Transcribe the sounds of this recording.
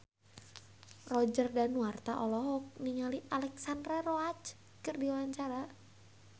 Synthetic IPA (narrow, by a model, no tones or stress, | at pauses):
rɔd͡ʒərdanuart̪aʔɔlɔɦɔk̚niŋaliʔalɛksandɾaroat͡ʃ | kɨrdiwaɲt͡ʃaɾa